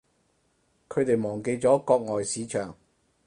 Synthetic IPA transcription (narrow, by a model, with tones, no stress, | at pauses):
kʰɵ˨˧ɥt̪e˨jmɔː˨˩ŋke˧jt͡sɔː˨˥kɔː˧k̚ŋɔː˨jsiː˨˥t͡ʃʰœː˨˩ŋ